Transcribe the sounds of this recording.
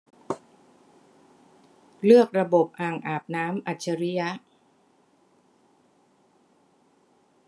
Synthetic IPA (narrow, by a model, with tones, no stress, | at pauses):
lɯ˥˩ək̚ɾa˧bo˨˩p̚ʔaː˨˩ŋʔaː˨˩p̚naː˦˥mʔa˨˩t̪̚t͡ɕʰa˧ɾi˦˥ja˦˥ʔ